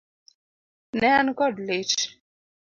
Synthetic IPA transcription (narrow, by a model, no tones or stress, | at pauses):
nɛankɔdlet͡ʃ